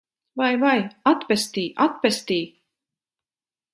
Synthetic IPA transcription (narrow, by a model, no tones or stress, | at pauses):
vajvajat̪pɛst̪iːʔat̪̚pɛst̪iː